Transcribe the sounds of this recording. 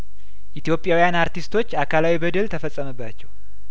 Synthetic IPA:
ʔit̪jo̞pʼjawijanaɾt̪ʰist̪ʰo̞t͡ʃːakʰalawibəd̪əlt̪ʰəfəsʼəməbːat͡ʃːɛw

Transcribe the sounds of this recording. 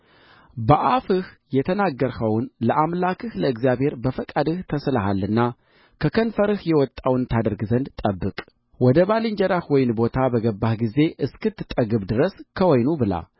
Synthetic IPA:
bəʔafɨh | jɛt̪ʰənaɡːəɾhəwnləʔamlakʰɨhləɨɡzjaβhe̞ɾbəfəkʼad̪ɨht̪ʰəslaɦalːɨnːa | kʰəkʰənfəɾɨhjɛwɔt̪ʼːawnt̪ʰad̪əɾɡzənd̪t̪ʼəbːɨkʼ | wɔd̪əβalɨɲd͡ʒɛɾahwɔjɪnbo̞t̪ʰabəɡəbːahɡize̞ʔɨskɨt̪ːɨt̪ʼːəɡɨβd̪ɨɾəskʰəwɔjnubɨla̰

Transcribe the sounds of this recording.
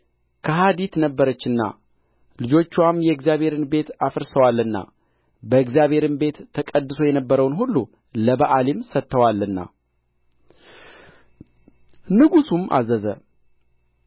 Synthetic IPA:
kʰəɦad̪it̪nəbːəɾət͡ʃːɨnːa̰ | lɨd͡ʒo̞t͡ʃːwamjɛɨɡzjaβhe̞ɾɨnbe̞t̪afəɾsəwalːɨnːa̰ | bəɨɡzijaβhe̞ɾɨnbe̞t̪ʰːəkʼəd̪ːɨso̞jɛnəbːəɾəwnɦulːu | ləbaʔalimsət̪ːəwalːɨnːa̰ | nɨɡusumʔa̰zəzə̰

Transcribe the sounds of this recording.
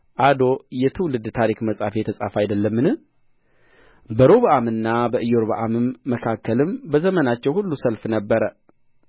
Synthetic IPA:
ʔad̪o̞jɛt̪ʰɨwlɨd̪t̪ʰaɾikməsʼafjɛt̪ʰəsʼa̰fajd̪əlːəmːɨnɨ | bəɾoβəʔamɨnːabəʔɨjoɾβə̰ʔamɨmːəkʰakːəlɨmbəzəmənat͡ʃːɛwhulːusəlfnəbːəɾə

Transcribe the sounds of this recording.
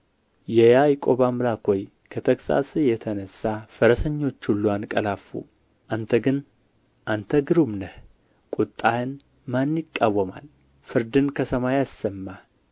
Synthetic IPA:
jɛjajkʼo̞βamlakʰoj | kʰət̪ʰəksa̰sɨjɛt̪ʰənəsːafəɾəsəɲːo̞t͡ʃːulːwankʼəlafṵ | ʔant̪ʰəɡɨn | ʔant̪ʰəɡɨɾumnəh | kʷʼut̪ʼːajɨn | manjɪkʼːawːəma̰l | fɨɾd̪ɨnkʰəsəmajasːəmːa

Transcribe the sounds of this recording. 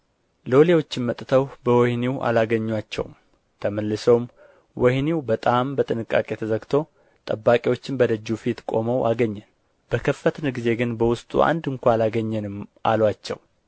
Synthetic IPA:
lo̞lewo̞t͡ʃːɪnmət̪ʼt̪ʰəwbəwɔhniwʔa̰laɡəɲːwat͡ʃːɛ̰w̰m | t̪ʰəməlːɨsowm | wɔhniwbət̪ʼambət̪ʼɨnɨkʼːa̰kʼe̞t̪ʰəzəɡt̪ʰo̞ | t̪ʼəbːakʼewo̞t͡ʃːɪnbəd̪əd͡ʒːufit̪kʼo̞̰məwʔaɡəɲːɛn | b̥əkʰəfːət̪ʰnɡize̞ɡɨnbəwʊst̪ʼṵa̰nd̪ɨŋkʷʰaalaɡəɲːɛnɨmʔa̰lwat͡ʃːɛ̰w

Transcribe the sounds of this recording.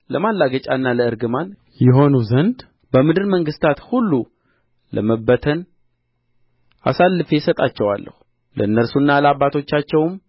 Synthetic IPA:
ləmalːaɡət͡ʃʼanːaləɨɾɡɨman | jɛɦo̞nuzənd̪ | bəmɨd̪ɨɾməŋɡɨst̪ʰat̪hulːu | ləməbət̪ʰən | a̰salːɨfesət̪ʼat͡ʃːɛwa̰lːə̰hu̥ | lʔə̰ɨnːəɾsunːaləabːat̪ʰo̞t͡ʃːat͡ʃːɛwm

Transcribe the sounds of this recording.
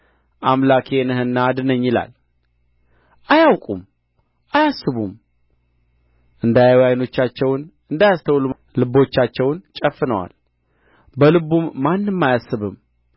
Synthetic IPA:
ʔamlakʰe̞nɨhɨnːad̪ɨnəɲːɪla̰l | ʔajawkʼṵm | ʔajasːɨβum | ʔɨnd̪ajwjajno̞t͡ʃːat͡ʃːɛwn | ɨnd̪ajast̪ʰəwlu | lɨbo̞t͡ʃːat͡ʃːɛwnt͡ʃʼəfːɨnəwa̰l | bəlɨbumːanːɨmːajasːɨβɨm

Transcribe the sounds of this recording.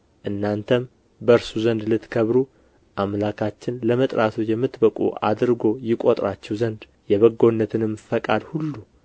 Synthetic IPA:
ʔɨnːant̪ʰəm | bəɾsuzənd̪lɨt̪kʰəβɾu | ʔamlakʰat͡ʃːɪnləmət̪ʼɾat̪ʰujɛmːɨt̪ːbəkʼṵʔa̰d̪ɾɡo̞jɪkʼot̪ʼɾat͡ʃːɛwzənd̪ | jɛβəɡːo̞nːət̪ʰɨnɨmfəkʼad̪hulːu

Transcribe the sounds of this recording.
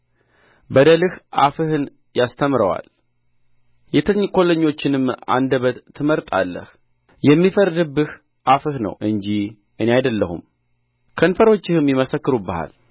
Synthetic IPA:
bəd̪əlɨhʔafɨhɨn | jast̪ʰəmɾəwa̰l | jɛt̪ʰəɲːkʰʼo̞ləɲːo̞t͡ʃːɪnɨmːa̰nd̪əβət̪ʰːɨməɾt̪ʼa̰lːə̰h | jɛmːifəɾd̪ɨbːɨh | ʔafɨhnə̰wʔɨɲd͡ʒi | ʔɨneajd̪əlːəhṵm | kʰənfəɾo̞t͡ʃːɪhɨmjɪməsəkːɨɾubəha̰l

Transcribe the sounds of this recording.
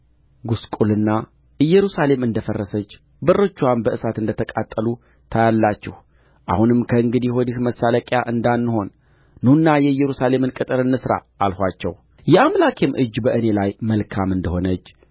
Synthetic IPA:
ɡuskʼulɨnːa | ʔɨjːɛɾusale̞mɨnd̪əfərːəsət͡ʃː | bɨrːət͡ʃːuanbəʔɨsat̪ɨnd̪ət̪ʰəkʼat̪ʼːəlu | t̪ʰajalːat͡ʃːɛh | ʔa̰hunɨmkʰəɨŋɡɨd̪iɦod̪ɨhməsːaləkʼjaʔɨnd̪anːho̞nː | unːajɛɨjːɛɾusale̞mɨnkʼɨt̪ʼɨɾɨnːɨsɾa̰ːlhʷat͡ʃːɛw | jɛamlakʰemʔɨd͡ʒːbəʔɨne̞lajməlkʰamɨnd̪əho̞nət͡ʃː

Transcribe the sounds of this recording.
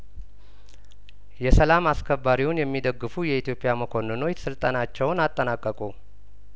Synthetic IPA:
jɛsəlamaskʰəbːaɾiwunjɛmːid̪əɡːɨfujɛit̪jo̞pʼɪjaməkʰo̞nɨno̞sɨlt̪ʼanat͡ʃːɛwnat̪ʼːənakʼːəkʼu

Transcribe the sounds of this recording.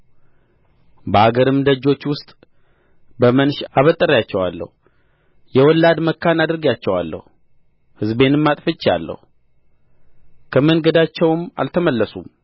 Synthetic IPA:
bəaɡəɾɨmd̪əd͡ʒːo̞t͡ʃːwʊst̪ʼ | bəmənʃaβət̪ʼːəɾjat͡ʃːɛwalːə̰hu | jɛwɔlːad̪məkːanad̪ɨɾɨɡjat͡ʃːɛwa̰lːə̰hu | hɨzbe̞nɨmːat̪ʼfɨt͡ʃːa̰lːə̰hu | kʰəmənɡəd̪at͡ʃːɛwma̰lt̪ʰəməlːəsum

